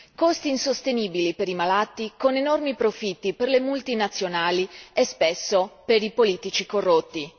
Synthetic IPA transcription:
kost̪iːnsost̪eniːbilipeɾimalat̪ːikonenormipɾofit̪ːiperlemult̪inat̪sːjonaːliespesːopeɾipoliːt̪it͡ʃikorːot̪ːi

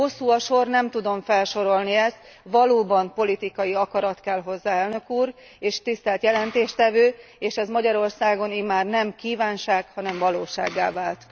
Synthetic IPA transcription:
ho̞sːuːɒʃo̞rnɛmt̪ud̪o̞ɱfɛlʃo̞ɾo̞lniɛst̪ | ʋɒloːbɒmpo̞lit̪ikɒjiɒkɒɾɒt̪kɛlɦo̞zːaːɛlnø̞kuːɾ | eːʃt̪ist̪ɛlt̪jɛlɛnt̪eːʃt̪ɛvøːeːʃɛzmɒɟɒɾo̞rsaːɡo̞nimaːrnɛmkiːvaːnʃaːkhɒnɛɱvɒloːʃa̰ːɡːa̰ːvaːlt̪

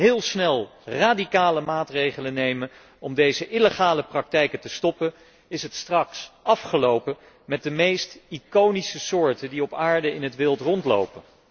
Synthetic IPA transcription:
ɦɪːlˠsnɛlˠraːdikaːləmaːtrejχələnejmən | ɔmdejzəʔɪləχaːləprɑk̚tɛjkətəstɔpən | ɪsɦətstrɑksʔɑfχəlowpə | mɛt̚dəmejstikownisəsʊːɹtəndiɔpaːɹdəɪnɦətʋɪlˠtrɔntlo̰wpən

